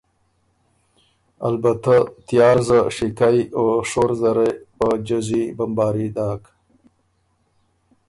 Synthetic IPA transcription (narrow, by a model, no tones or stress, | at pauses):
a̰lbat̪at̪jɑːɾzaʂikajoʂoɾzaɾejpəd͡ʒazibambɑːɾid̪ɑːk